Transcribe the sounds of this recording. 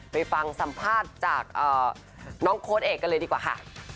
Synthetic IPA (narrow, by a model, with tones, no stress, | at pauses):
pa˧jfa˧ŋsa˨˦mpʰaː˥˩t̪̚t͡ɕaː˨˩k̚ʔɤː˨˩ | nɔː˦˥ŋkʰoː˧n̚ʔeː˨˩kːa˧lɤː˧diː˧kwaː˨˩kʰa̰˦˥˩ʔ